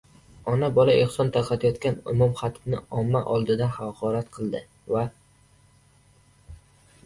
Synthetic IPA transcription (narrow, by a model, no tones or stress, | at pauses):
ɒnabɒlaʔe̞χsɒnt̪ʰaɾqʰɑt̪ʰɪjɒt̪kʲanʊ̰mumχat̪bnɪɒmːaʔɒlˠd̪ɪd̪ahaqʰɒɾat̪qʰɨlˠd̪ɪ | va